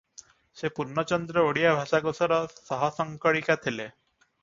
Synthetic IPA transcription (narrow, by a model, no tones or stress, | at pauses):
sepuɾnɔt͡ʃɔnd̪ɾɔoɽijabʱasaɡosɔɾɔsɔɦɔsɔŋkɔɭikat̪ʰile